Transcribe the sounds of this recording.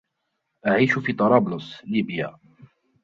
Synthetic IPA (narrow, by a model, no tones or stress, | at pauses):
ʔaʕiːʃʊfiːt̪ˤɑɾˤɑːblʊsliːbjaː